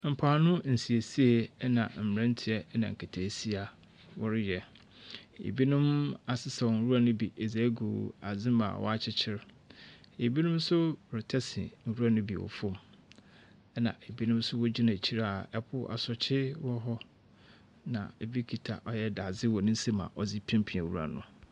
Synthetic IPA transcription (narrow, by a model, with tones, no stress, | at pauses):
m̩˨pʰa˨nʊ̃˦n̩˨si˨e˨si˦e˨˦nã˨m̩˨m˨ɾɛ̃˦n˦tʰɪ˨ɛ˦nã̰˨ŋ̩˨kʰa˨tʰa˨si˦a˨ | wɔ˦ɾɪ˦jɛ˨ | ḛ˨bi˦nʊ̃˦ma˨sɪ˦sɛ˨ɔ˨n̩˨ɾu˦a˨nʊ̃˦bi˨ʔe˨ze˨˦ɡu˨a̰˨zɪ̃˦ma̰˨wɔ̰˦a˦t͡ɕʰɪ˦t͡ɕʰɪ˦ɾ | e˨bi˦nʊ̃˦m˦sʊ˦˨ɾɪ˨tʰɛ˦sɪ̰˨n̩˨ɾu˦a˨nʊ̃˦bi˨wɔ̰˨fʊ˦m | ɛ˦nã̰˨e˨bi˦nʊ̃˦m˦sʊ˦wɔ˦d͡ʑi˦nã˨t͡ɕʰi˦ɾa˨ɛ˦pʰʊ˦ʔa̰˨sɔ˨t͡ɕʰɪ˦wɔ˦ɦɔ˦ | nã̰˨e˨bi˦kʰi˨tʰa̰˨ʔɔ˦jɛ˦da˨zɪ˦wɔ˨nʊ̃˦n˦se˦mã̰˨ʔɔ˦d͡zi˦pʰĩ˦mpʰĩ˨a˨wu˦ɾa̰˨nʊ̰̃˨